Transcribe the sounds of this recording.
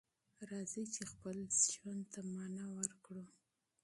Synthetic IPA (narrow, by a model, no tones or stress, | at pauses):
ɾɑzit͡ʃexpəlʒwand̪t̪amɑnɑwəɾkɽu